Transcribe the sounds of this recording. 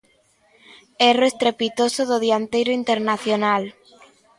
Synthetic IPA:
eroest̪ɾepit̪osoðoðiant̪ejɾoint̪eɾnaθjonal

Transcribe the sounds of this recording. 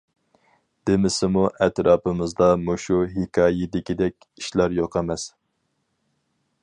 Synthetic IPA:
d̪̥ɪmɪsɪmuʔɛt̪ɾɑːpɨmɨzd̪ɑmuʃuɦikʰɑːjɪd̪ɪkʲid̪ɛkʲiʃlɑɾjoqɛmɛs

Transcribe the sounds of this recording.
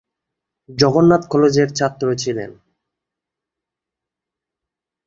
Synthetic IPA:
d͡ʑɔɡonːat̪kʰɔlod͡ʑeɾt͡ɕʰat̪ːɾoɦet͡ɕʰilḛn

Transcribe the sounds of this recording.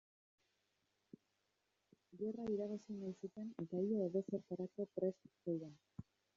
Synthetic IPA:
ɡe̞raiɾaβasinajsut̪e̞nt̪aioːðo̞seɾt̪aɾako̞pɾe̞st̪sojðan

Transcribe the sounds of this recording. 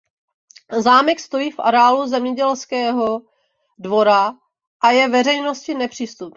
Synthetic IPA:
zaːmɛkst̪o̞jiːfʔa̰ɾɛaːluzɛmɲɛɟɛlskɛːɦo̞ | dvo̞ɾa | ʔajɛvɛrɛjno̞scɪnɛpr̝̥iːst̪up

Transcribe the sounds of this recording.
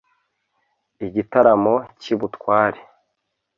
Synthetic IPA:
iɟitaɾamo̞ciβutkwaːɾe

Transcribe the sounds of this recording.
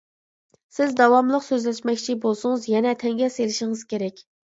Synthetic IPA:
sɪzd̪ɑwɑmlˠəqsøzlɛʃmɛkʲt͡ʃʰibolˠsʊŋɨzjɛnɛt̪ʰɛŋɡʲɛselɪʃɪŋɨz̥kʲʰeɾɛkʲ

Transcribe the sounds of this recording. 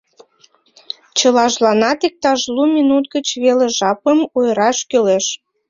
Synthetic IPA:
t͡ɕəlɑʒlɑnɑt̪ik̚t̪ɑʒlumʲinut̪ɡət͡ɕβeleʒɑpəmojɾɑʃkøleʃ

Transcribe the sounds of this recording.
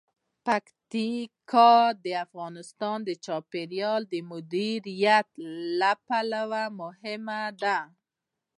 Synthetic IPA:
pakt̪ikʰɑd̪əafɣɑnɪst̪ɑnd̪ət͡ʃɑpeɾjɑld̪əmʊd̪iɾijat̪lapalawamʊhɪmad̪a

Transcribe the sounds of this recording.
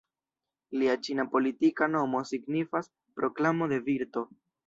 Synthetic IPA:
liat͡ʃinapo̞litikano̞mo̞siɡnifas | pɾo̞klamo̞de̞viɾto̞

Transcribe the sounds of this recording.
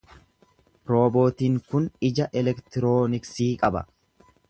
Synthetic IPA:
ɾo̞ːbo̞ːt̪iːŋkʊnɪd͡ʒɐʔɛlɛkt̪ɪɾo̞ːnɪksiːkʼɐbɐ̰

